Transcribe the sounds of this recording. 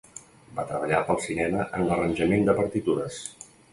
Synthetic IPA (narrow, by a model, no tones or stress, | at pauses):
bat̪ɾəβəʎapəlˠsinɛməʔənlərənʲʒəmend̪əpəɾt̪it̪uɾəs